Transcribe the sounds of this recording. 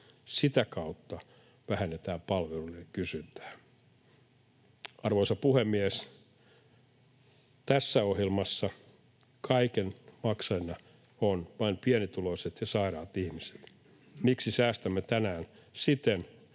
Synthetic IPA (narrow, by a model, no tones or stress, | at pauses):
sit̪ækɑut̪ːɑ | ʋæhænːet̪æːpɑlʋelulekysynt̪æ̥ː | ɑrʋoisɑpuhemːiæs | t̪æsːæohjelmɑsːɑ | kʰɑikenmɑksɑjnɑ | onʋɑinpiænit̪uloiset̪jɑsɑirɑːt̪ihmise̥t̪ | miksisæːst̪æmːet̪ænæːn | sit̪en